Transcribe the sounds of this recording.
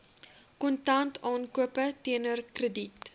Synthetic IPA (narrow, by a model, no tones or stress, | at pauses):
kɔntɐntʰɑːnkuəpətiənərkrədit